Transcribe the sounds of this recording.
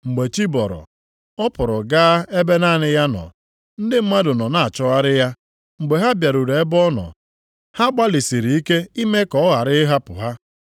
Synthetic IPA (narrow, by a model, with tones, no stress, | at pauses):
ŋ͡m̩˨ɡ͡be˨t͡ʃi˦bɔ˨ɾɔ̰˨ | ɔ˦pʊ˨ɾɔ˨ɡaː˦e˦be˦na˦˨nɪ˦ja˦nɔ̰˨ | n̩˦dɪ˦m̩˦ma˦dʊ˨nɔ˨na˦˨a˨t͡ʃɔ˦ɣa˦ɾɪ˦ja˦ | ŋ͡m̩˨ɡ͡be˨ɦa˦bja˨ɾu˨ɾe˨e˦bɔ˦nɔ̰˨ | ha˦ɡ͡ba˦lɪ˨si˨ɾi˨i˦ke˦i˦me˦kɔ˨ɔ˦ɣa˨ɾɪ˦ɪ˦ɦa˦pʊ̰˨ɦa˦